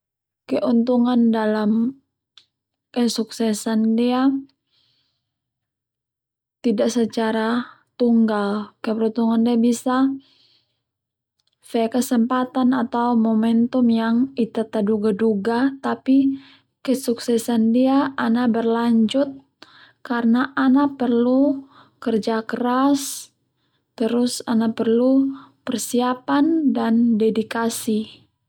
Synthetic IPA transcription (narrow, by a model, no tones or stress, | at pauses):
kɛʔunt̪uŋandalam | kɛsuksɛsandia | t̪idaʔsət͡ʃaɾa | t̪uŋɡalkɛpɾunt̪uŋandiabisa | fɛkəsəmpat̪anat̪aumɔmɛnt̪umjaŋit̪at̪aduɡaduɡat̪api | kəsuksɛsandiaanabərlaɲd͡ʒʊt̪̚ | karnaʔanapərlu | kərd͡ʒakəɾas | t̪əɾʊsanapərlupərsiapandandɛdikasi